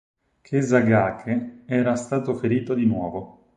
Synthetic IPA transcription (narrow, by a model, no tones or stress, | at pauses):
k̟ʰezaɡaːkʰeɛːɾast̪aːt̪ofeɾiːt̪od̪inwɔːvo